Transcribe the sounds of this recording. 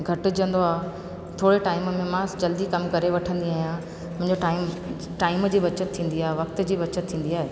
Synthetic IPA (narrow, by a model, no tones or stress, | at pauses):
ɡʱɐʈʊ̆d͡ʑə̃nd̪oaːɦe | t̪ʰoːɽeʈaːɪmmẽmãd͡ʑɐld̪ikɐmkɐɾeʋɐʈʰə̃nd̪iaːɦijã | mʊ̃ɦɪ̃ɲd͡ʑoʈaːɪm | ʈaːɪmd͡ʑiːbɐt͡ɕət̪t̪ʰːĩːnd̪iaːɦeʋɐkt̪ə̆d͡ʑiːbɐt͡ɕət̪ʰːĩːn̆d̪iaːɦeː